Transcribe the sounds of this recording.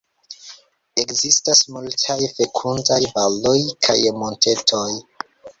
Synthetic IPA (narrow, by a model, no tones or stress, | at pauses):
e̞kzistasmultʰajfe̞kʰundajvalojkʰa̰jmo̞nte̞tʰo̞j